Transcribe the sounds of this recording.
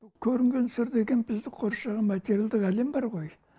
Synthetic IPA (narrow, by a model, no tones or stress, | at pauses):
kʲʰɵɾɪŋɡʲe̞nsʏɾd̪e̞ɡʲe̞nbɪzd̪ɪqʰoɾʃɑʁɑmat̪ʲeɾjald̪ɪqæle̞mbɑɾʁo̞j